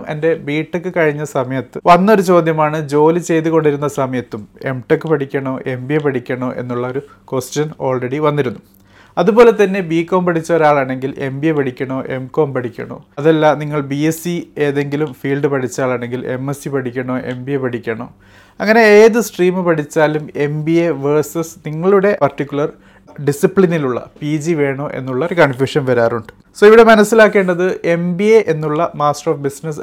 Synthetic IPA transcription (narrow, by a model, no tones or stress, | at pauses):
me̞̰nde̞biːʈːɨkːɨkɐɻiɲːɐsɐmɐjɐt̪ːɨʋɐnːo̞ɾut͡ɕo̞ːd̪ʱjɐmaːɳɨd͡ʑo̞ːlit͡ɕe̞jt̪uɣo̞ɳɖiɾunːɐsɐmɐjɐt̪ːume̞mʈekːɨpɐʈʰikʲːɐɳo̞ːʔe̞mbiepɐʈʰikʲːɐɳoːʔe̞̰nːuɭːɐoɾu | kosʈːɐno̞ːɭreɽiʋɐnːiɾunːu | ɐðubo̞ːle̞t̪ːɐnːe̞biːkːo̞ːmpɐʈʰit͡ɕːɐo̞ɾaːɭaːɳe̞ŋɡile̞̰mbiepɐʈikʲːɐɳo̞ːʔe̞mko̞ːmpɐʈʰikʲːɐ̰ɳo̰ːɐðɐlːaniŋːɐɭbiesieːðe̞ŋɡilumfiːlɖɨpɐʈʰit͡ɕːaːɭaːɳe̞ŋɡile̞̰mːesipɐʈʰikʲːɐɳo̞ːʔe̞mbiepɐʈʰikʲːɐɳo̰ː | ɐŋːɐne̞eːðɨsʈriːmɨpɐʈʰit͡ɕːaːlume̞mbieʋɐːsɐsniŋːɐɭuɽe̞pɐrtikʲːuɭɐr | ɖisipɭiniluɭːɐ̰piːd͡ʑiʋe̞ːɳoːʔe̞̰nːuɭːɐɾkɐɳfjuːʂɐnʋɐɾaːruɳɖɨ̥ | soːiʋiɽe̞mɐnɐsːilaːkːe̞ːɳɖɐðɨʔe̞mbieʔenːuɭːɐmaːsʈroːfbisnɐs